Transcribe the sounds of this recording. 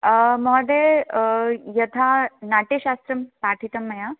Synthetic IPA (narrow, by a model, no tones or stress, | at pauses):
mɔd̪e | jɐt̪ʰanaːʈeʃaːst̪ɾɐmpaːʈʰit̪ɐmːɐja